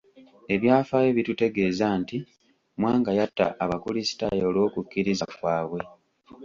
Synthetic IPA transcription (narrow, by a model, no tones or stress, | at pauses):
e̞βjaːfajeβitute̞ɡe̞ːzaːnti | mwaːŋɡajatːa̰ːβakulisi̥ta̰joːlwo̞ːkukːiɾizakwaːβwe̞